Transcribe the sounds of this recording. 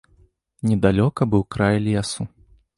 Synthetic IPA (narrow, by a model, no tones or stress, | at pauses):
nʲɛd̪alʲɔkɐbɨwkɾajlʲijasu